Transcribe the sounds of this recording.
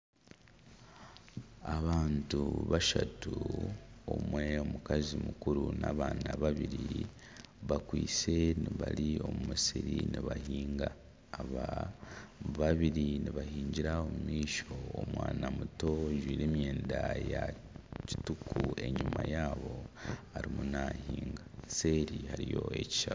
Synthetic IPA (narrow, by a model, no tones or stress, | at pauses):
aβaːntuβaʃatu | omwe̞omukazimukuɾunaːβaːnaβaβiɾi | βakwiːse̞niβalio̞mumusiɾiniβahiːŋɡaː | βa | βaβiɾiniβaɦiːɲɟiɾaomumiːʃo̞omwaːnamuto̞ʒwiːɾeːmje̞ːndaja | ci̥tukue̞ɲumajaːβo̞haɾimunahiːŋɡase̞ːɾihaɾijo̞e̞ci̥ʃa